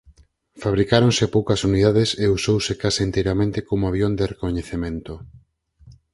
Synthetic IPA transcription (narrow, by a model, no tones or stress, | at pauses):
faβɾikaɾoŋsepowkɐsuniðaðeseusowsekasaint̪ejɾamẽnt̪ekomoaβjond̪erekoɲeθemẽnt̪o